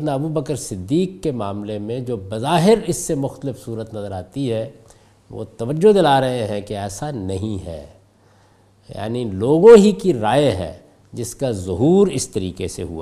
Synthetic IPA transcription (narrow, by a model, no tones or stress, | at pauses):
naɐbubəkəɾsɪd̪ːiːkːemaːmlemẽd͡ʒoːbɐzaːɦɪɾɪsːemʊxt̪əlɪfsuːɾət̪nɐzəɾaːt̪iɦɛ | ʋo̰ːt̪ɐʋəd͡ʒːod̪ɪlaːɾɐɦeɦɛ̃keɛːsanɐɦĩɦɛ̰ː | ja̰ːniloːɡõɦikiɾaːeɦɛ̰̃ | d͡ʒɪskazʊɦuːɾɪst̪ɐɾiːkesḛɦṵa̰